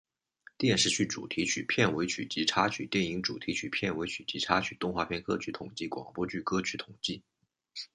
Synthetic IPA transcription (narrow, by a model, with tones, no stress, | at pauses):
t̪jɛ˥˧nʂɻ̩˥˧t͡ɕʰy˥˩ʈ͡ʂṵ˨˩t̪ʰi˧˥t͡ɕʰy˨˩pʰjɛ˥˩nwe˧˥ɪt͡ɕʰy̰˨˩t͡ɕi˧˥ʈ͡ʂʰa˥t͡ɕʰy˨˩t̪jɛ˥˩ni˧˥ŋʈ͡ʂṵ˨˩t̪ʰi˧˥t͡ɕʰy˨˩pʰjɛ˥˩nwe˧˥ɪt͡ɕʰy˨˩t͡ɕi˧˥ʈ͡ʂʰa˥t͡ɕʰy˨˩t̪ʊ˥˧ŋxwa˥˧pʰjɛ˥˧nkɤ˥t͡ɕʰy˧˥t̪ʰʊ˨˩ŋt͡ɕi˥˩kwɑ̰˨˩ŋpwɔ˥t͡ɕy˥˩kɤ˥t͡ɕʰy˧˥t̪ʰʊ˨˩ŋt͡ɕi˥˩